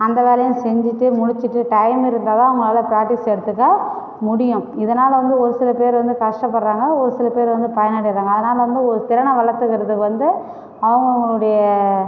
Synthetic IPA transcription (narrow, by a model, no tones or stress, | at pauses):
ɐnd̪ɐʋeːlɐjʊ̃sɛɲd͡ʒɪʈːɯmʊɽɪt͡ʃːɪʈːɯʈɐɪmɪɾɯnd̪aːðãːɐʊŋɡɐɭaːlɐpɪɾaːʈːɪsɛɽɯt̪ːɯk̬ːaː | mʊɽɪjʊ̃ɪðɐnaːlɐʋɐnd̪ɯɔɾɯsɪlɐpeːɾʋɐnd̪ɯkɐʂʈɐpːɐɽɾaːŋɡɐɔɾɯsɪlɐpeːɾʋɐnd̪ɯpɐjɐnaːɽɪɾaːŋɡɐːðɐnaːlɐʋɐnd̪ɯɔɾɯt̪ɪɾɐɳɐʋɐɭɐt̪ːɯkːɪɾɐðɯkːɯʋɐnd̪ɯ | ɐʋɐŋɡɐʊŋɡɐɭɯɽɐjɐ